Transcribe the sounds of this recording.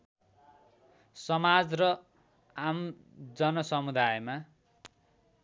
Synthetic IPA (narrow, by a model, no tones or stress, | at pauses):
sʌmad͡zrʌ | am | d͡zʌnʌsʌmud̪ajma